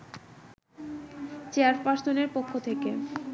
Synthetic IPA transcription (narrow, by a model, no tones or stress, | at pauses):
t͡ɕeaɾpaɾsoneɾpokʰːot̪ʰeke